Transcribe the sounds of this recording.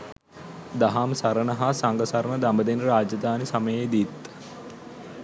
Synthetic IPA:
d̪ɐɦamsɐɾənɐɦasaŋɡəsɐɾəɳəd̪ambəd̪enɾaːd͡ʒɐd̪aːnisɐməjejd̪it̪

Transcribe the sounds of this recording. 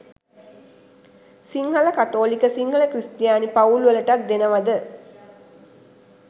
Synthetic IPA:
siŋhɐləkat̪oːlikəsiŋɡələkɾist̪jaːnipauluʋələʈat̪̚d̪enəʋad̪ə

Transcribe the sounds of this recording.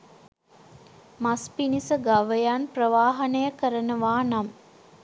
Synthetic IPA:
maspinisəɡaʋəjanprəʋaːɦɐnəjəkəɾənəʋaːnam

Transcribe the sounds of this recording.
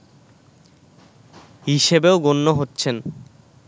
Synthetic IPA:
ɦiʃebeoɡonːoɦotːɕʰen

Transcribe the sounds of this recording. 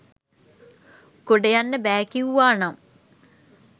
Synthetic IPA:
koɖejɐnːəbɛːkiuʋaːnam

